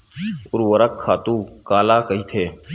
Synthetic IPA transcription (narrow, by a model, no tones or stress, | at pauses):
ʊɾʋəɾəkʰːaːt̪ũː | kaːlaːkəiːt̪ʰeː